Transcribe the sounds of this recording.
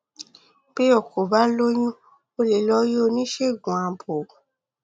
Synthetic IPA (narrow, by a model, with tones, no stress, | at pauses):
b̥e˦ɔ˦˨kʰo˨ba˦lo˦ɲũ˦ | o˧le˨lɔ˦je˦o˧nĩ˦ʃe˦˨ɡũ˨ã˨bo˨